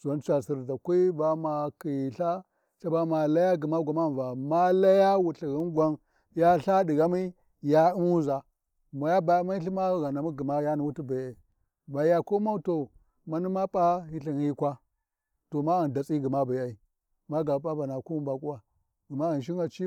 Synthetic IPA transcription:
swa˨˦n˦t͡ʃa˨si˨ɾda˨kʷa˦i˦ba˨ma˨ki˨ɬa˦ | ɬa˦ba˦ma˨la˦ja˦ɡi˨ma˦ɡʷa˨ma˦˨va˨ma˦la˦ja˦wu˨ɬi˨ɣi˦nɡʷa˨n | ja˦ɬa˦di˨ɡa˦mi˦ | ja˦i˦m˦u˦za˨ | ma˨ja˦ba˨˦ma˦i˦ɬi˦ma˦ɣa˨na˨mi˦ɡi˨ma˦ja˦ni˨wu˦ti˦ba˨a˨i˨ | ba˨˦a˨ko˦ma˦to˨ | ma˦ni˦ma˦pʼa˦hi˦ɬi˨n˨hi˦kʷa˦ | to˨ma˦i˨nda˨t͡sʼi˦ɡi˨ma˦ba˨a˨i˨ | ma˦ɡa˨ba˦ba˨na˨ku˦u˦ba˨kʼu˦wa˨ | ɡi˨ma˦i˨n˨ʃ̬i˦ŋa˨t͡ʃi˦

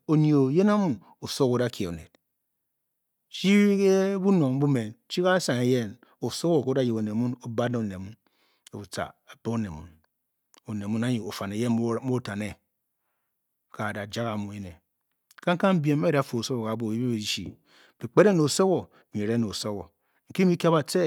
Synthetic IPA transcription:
o˨ni˦˨o˨je˦na˦mu˨ | o˨so˦ko˨˦da˦ke˨o˨nḛ˨t̚ | t͡ʃi˦ke˦bu˦no˨ŋm̩˦bu˦me˨nt͡ʃi˦ka˦sa˨ŋe˨je˦n | o˨so˦ko˨ko˦da˦ji˨ko˨ne˨mu˦no˦ba˦ne˦o˨ne˨mu˦n | e˨u˨t͡sa̰˨a˨pe˦o˦ne˨mṵ˨n | o˨ne˨mu˦na˦ɲi˨o˨fa˨ne˨je˦o˦ta˨ne˦ | ka˨da˨d͡ʒa˦ɣa˨mu˨e˦ne˨ | ka˦ŋ̩˦ka˦m̩˦bje˨m˦e˦a˨fo˨o˨so˦ɣo˨ka˨bo˨i˦be˦e˨˦ʃḭ˨ | b̥i˨k͡pe˦de˦no˨o˨so˦ko˨ | mi˨ɾe˦no˨o˨so˦ɣo̰˨ | ŋ̩˨ki˦mi˦ka˦ba˨te˦

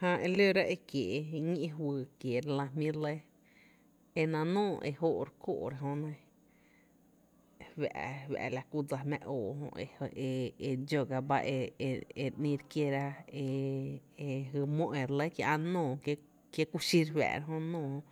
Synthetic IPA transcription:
hã˧ʔe˧lo˦ɾa˦ʔe˧kje˨˧ŋĩ˦e˦˧ɦwɨː˧˨kje˨ɾlã˧mĩ˦ɾle˦ | e˧nã˧nõː˦˨ʔḛ˧ho˦˧ʔɾko̰ː˧˨ʔɾa˧˨ɦõ˧nã˧ | wa̰˨ʔwæ̰˨ʔla˧ku˦d͡za˧mã˧ʔoː˨hõ̰˧ʔḛ˧e˧e˧d͡ʒo˧ɡa˧ba̰˦ʔe˧e˧ʔnĩ˧ɾkje˧ɾa˧e˧e˧ɦɨ˧mõ˦ʔẽ˨ɾle˦kjã̰˧ʔã˦˧nõː˦˨k | kje˦ku˦ʃi˦ɾwa̰ː˨ɾa˦ɦõ˧nõː˧˨hõ˧

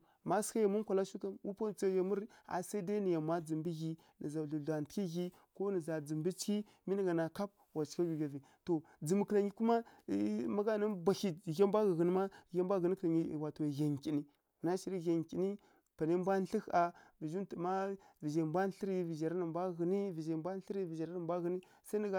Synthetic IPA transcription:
ma˦ska˦ja˨mu˦nkʷa˨la˦ʃu˦ka˦mwu˦pa˦t͡sa˦ja˨mu˦ɾa̰˨sa˦i˦da˦ni˨ja˨mʷa˦d͡zi˨mbi˦ɣi˦ | ni˨za˨ɮu˨ɮʷa˨n˨ti˦ɣi˦ | ko˦nə˨za˨d͡zi˨mbi˦t͡ʃki˦ | mi˦ni˦ɡa˨na˨ka˦p̚ | wa˨t͡ʃka˦ɡi˨ɡa˨vi˨ | to˨ | d͡zə˨m˨kə˨la˨ɲi˦ku˦ma˦ | ma˦ɡa˦˨na˦bʷa˨xi˦˨ja˦mbʷa˦ɣə˨ɣə˨n˦ma˦ja˦mbʷa˦ɣə˨ni˦kla˨ɲi˦˨wa˨to˨ɣa˨ŋkʲi˨ni˦˨ | na˦ʃi˨ɾi˦ɣa˨ŋkʲi˨ni˦ | pa˨ne˦mbʷa˦n˦ɬi˦xa˨vi˨d͡ʒu˦ntə˨ma˦vi˨ʒa˨mbʷa˦n˦ɬi˦ɾi˦vi˨ʒa˨ɾa˦nə˨mbʷa˦ɣə˨ni˦vi˨ʒa˨bʷa˦n˦ɬi˦ɾi˦vi˨ʒa˨ɾa˦nə˨mbʷa˦ɣə˨ni˦ | sa˦nə˨ɡa˨

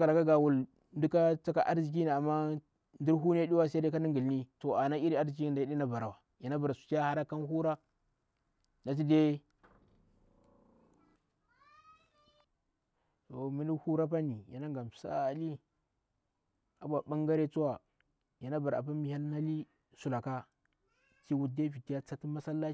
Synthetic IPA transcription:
ka˨la˨ka˦ɡa˨wu˨l | ndi˦ka˦t͡sa˦ka˦ʔa̰˦ɾd͡ʒi˨k̬i˦ni˨a˨mːa˦ | ndi˦ɾɦu˦n˦e˦di˦wa˦sa˦de˦ka˦ni˦ŋɡi˨lni˦to˨a˨na˦i˦ɾi˦a˦d͡ʒi˨ki˦n˨da˨ji˦di˦na˦ba˨ɾa˨wa˨ | ja˨na˦ba˨ɾa˨su̥˨ka˦ha˦ɾa˦ka˦nhu˦ɾa˦ | na˨t̬i˦de˦ | o˨mi˦ni˦hu˦ɾa˦pa˦ni˨ja˨na˦ŋɡa˨m˨sa̰˦˨li˦ | a̰˨bʷa˨ba˦ŋɡa˦ɾe˦t͡su˦wa˨ | ja˨na˦ba˨ɾa̰˨p̬a˦mi˨˦ha˦lna˦li˦ | su˨la˨ka˦ | t͡ʃi˦wu˦de˦vi˨ti˦a˦t͡sa˦ti˦ma˦sa˦lːa˦

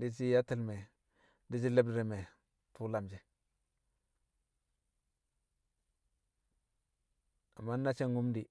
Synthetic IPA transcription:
di˦t͡ʃi˦ja˦ti˦˨lme˨ | di˦d͡ʒi˦lə˦b̚dɾi˨me˨ | tu˦la˨md͡ʒi˨ | a˨mːa˦nː˦a˦t͡ʃe˦ŋɡu˦mdi˨

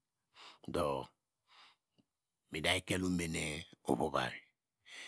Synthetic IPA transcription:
do˨ | mi˨da˨i˦ke˦lu˦m˦be˨ne˦o̰˨βo˦ba̰˨ɾi˨

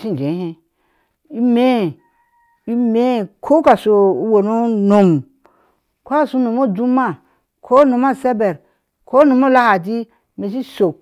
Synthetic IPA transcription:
si˦n˨d͡ʒe˨˦hẽ˦ | i˦me˦˨ | i˦me˦˨kʰo˦ka˨so˨˦wo˨no˦no˨m | kʷo˦˨su˦no˨mo˦˨du˦ma˦˨ | kʰo˦no˨ma˦˨se˦be˨ɾ | kʰo˦no˨mo˦la˦ha˨di˦ | me˨s̬i˦so˨

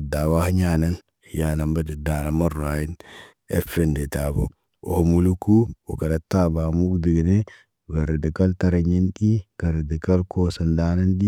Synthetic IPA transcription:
da˨wa˦hɲa˦na˦n | hja˨na˨mba˦di˨da˨na˨ma˦ɾaː˨ji˦n | e˦fende˨ta˨bo˨ | o̰˨ho˨mu˨lu˦ku˦wu˨ka˨da˨taba˨mu˦kdi˨ɡi˨ne˦˨ | ɡa˨ɾe˨di˨ka˦ltaɾa˨ɲi˦nɗi˦ka˨ɾe˨di˨ka˦lkosa˨nda˦na˦ndi˦

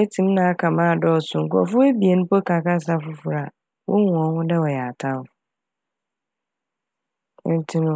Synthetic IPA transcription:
e˦tʰĩ˦m˦nã˨a˦kʰã˨mãː˦˨dɔ˦˨sʊ̃˨ŋ̩˨kɔ̰˨fʊ˦æ˦bi˨e˨nʊ̃˦pɔ˦ka˨ka˦s̬a˦fʊ˦fʊ˨ɾa˨ | wɔ˦ŋ˨ɔ̃˨n˦hʊ̃˦dɛ˦wɔ˨jɛ˨a˨tʰã˦ʊ˦ | n̩˦tʰɪ˦nʊ̃˦

